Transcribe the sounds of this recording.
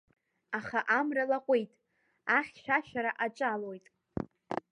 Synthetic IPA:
aχaʔamralaqʷʼejtʼ | aχʲʃaʃaɾaʔat͡ʃʼalo̞jtʼ

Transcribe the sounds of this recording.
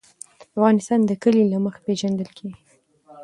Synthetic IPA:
afɣɑnɪst̪ɑnd̪əkəlilaməxḁpeʒand̪əlkʰeɡi

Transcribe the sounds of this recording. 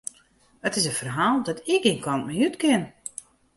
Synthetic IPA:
ətɪsənfərɦaːlˠdɔtʰɪkiənkʰɔnt̚mɛjytkɪn

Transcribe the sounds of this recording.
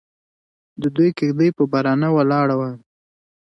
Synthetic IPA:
d̪əd̪ujkɪxd̪əjpəbaɾɑnawalɑɽawa

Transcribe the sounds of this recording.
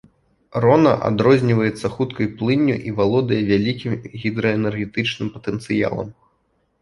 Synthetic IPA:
rɔnɐ̰ʔa̰d̪ɾɔzʲnʲivɐjɛt̪sːɐxut̪kɐjplˠɨnʲːṵʔivalˠɔd̪ɐjɛvʲalʲikʲimɣʲid̪ɾɐɛnɛrɣʲɛt̪ɨt͡ʂnɨmpɐt̪ɛnt̪sɨja̰lˠɐ̰m

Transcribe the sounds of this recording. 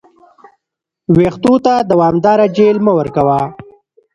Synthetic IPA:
weːxt̪ut̪ad̪awɑːmd̪ɑːɾad͡ʒelməwəɾkawa

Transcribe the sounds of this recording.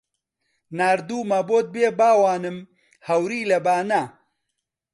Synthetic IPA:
naːɾd̪uːmɐboːt̪̚beːbaːwaːnɨm | hɐwɾiːlɐbaːna

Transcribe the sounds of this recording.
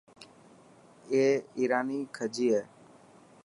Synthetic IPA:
eːiːɾaːniːkʰəd͡ʒiːɦeː

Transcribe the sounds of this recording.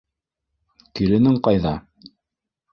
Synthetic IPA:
kiɾɘ̆nɘŋqɑjðɑ

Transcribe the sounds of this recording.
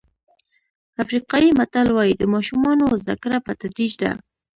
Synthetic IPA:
afɾiqɑjimat̪alwɑjid̪əmɑʃumɑnoza̰kɾapət̪ad̪ɾid͡ʒd̪a̰

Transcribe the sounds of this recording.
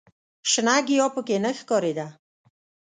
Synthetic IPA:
ʃənaɡijɔpəkenəxkɔɾid̪a

